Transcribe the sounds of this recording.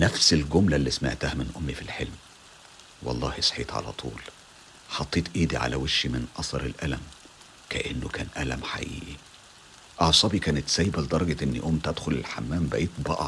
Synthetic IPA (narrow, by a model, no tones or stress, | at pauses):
næfselɡʊmlælːismḛʕt̪æhæmɪnʔomːifilħelm | wɑ̰lˤːɑ̰ːhesˤħḛːt̪ˤʕa̰læ̰t̪ˤʰṵːl | ħɑt̪ˤːeːt̪ˤʔiːd̪iʕa̰læ̰weʃːimɪnʔɑsˤɑɾˤelʔælæm | kæʔenːokæːnʔælæmħa̰ʔḭːʔi | ʔɑʕsˤɑːbikæːnet̪sæːjbæled̪ɑɾˤɑɡeʔenːḭʔomːt̪æd̪xolelħamːæːmbæʔiːt̪̚bɑʔɑ̰